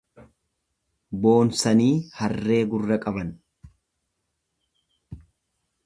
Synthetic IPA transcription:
bo̞ːnsɐniːhɐrːe̞ːɡʊrːɐkʼɐbɐn

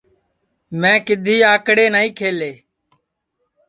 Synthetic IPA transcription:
mɛ̃ːkɪd̪ʱiːaːkɽeːnaːĩːkʰeːleː

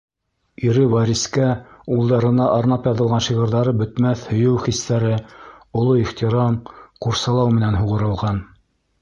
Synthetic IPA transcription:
iɾɘvɑɾʲiskæulˠd̪ɑɾɤ̆nɑʔɑɾnɑpjɑðɤ̆lˠʁɑnʃiʁɤ̆ɾðɑɾɤbɵ̆t̪mæθhɵ̆jɘwχist̪æɾɘŏlˠoiχt̪iɾɑmquɾsɑlˠɑwmɘ̆nænɦuʁɤ̆ɾɤ̆lˠʁɑn

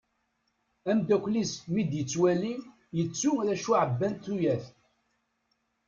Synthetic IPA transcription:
æmd̪ækʷːlismid̪jət͡sːwæli | jət͡sːuðæʃuʕəbːænt̪ːujæθ

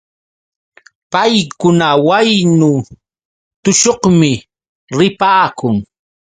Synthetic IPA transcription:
pajkʊnawajnʊ | t̪ʊʃohmɪ | ɾɪpaːkʊŋ

